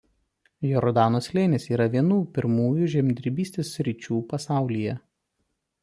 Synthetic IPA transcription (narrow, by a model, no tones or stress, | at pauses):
jɔɾɔd̪ɑːnoːsʲlʲeːnʲeːsiːɾɐʋʲiɛnuːpʲɪɾmuːjʊʒʲɛmʲd̪ʲɾʲɪbʲiːsʲt̪ʲeːsʲːɾʲɪt͡ʃʲuːpɐsɑˑʊlʲijɛ